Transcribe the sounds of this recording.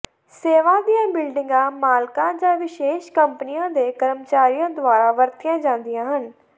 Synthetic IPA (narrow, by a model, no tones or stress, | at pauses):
seːʋãːd̪ijãːbɪlɖɪŋɡãːmaːlkãːd͡ʒãːʋɪʃeːʃkəmpənijãːd̪eːkəɾəmt͡ʃaːɾijãːd̪ʊaːɾaːʋəɾt̪ijãːd͡ʒãːnd̪ɪjãːɦən